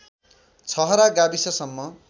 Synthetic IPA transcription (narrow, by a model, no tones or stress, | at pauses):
t͡sʰʌɦʌɾaɡabisʌsʌmːʌ